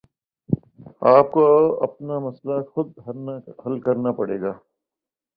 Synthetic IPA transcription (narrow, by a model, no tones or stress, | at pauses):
aːp̚koɐ̰pnamɐslaxʊd̪̚ɦɐlkɐɾnapɐɽḛːɡaː